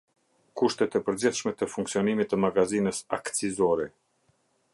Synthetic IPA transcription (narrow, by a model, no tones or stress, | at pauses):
kuʃt̪ɛt̪ɛpəɾd͡ʑiθʃmɛt̪əfuŋksiɔnimit̪əmaɡazinəsa̰kt͡sizɔɾɛ